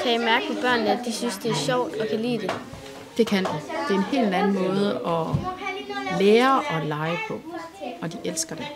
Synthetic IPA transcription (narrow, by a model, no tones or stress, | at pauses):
kʰæjamæɐɡ̥əpʰɒ̽b̥ɶɐ̰nnəædd̥isynsd̥e̝æɐɕɒʊ̰d̥ɒ̽kʰælḭːd̥e̝ | d̥e̝kʰænd̥ud̥e̝æɐe̝nhe̝̰ːldlæn̩mɔ̽ːð̞̩ˠəɒ̽ | leːɐʔɒ̽lɑ̈ɪəpʰɒ̽ | ɒ̽d̥iʔelsɡ̥ɐd̥e̝